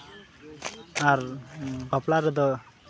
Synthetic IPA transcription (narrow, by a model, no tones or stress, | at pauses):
aɾbaplaɾɛd̪ɔ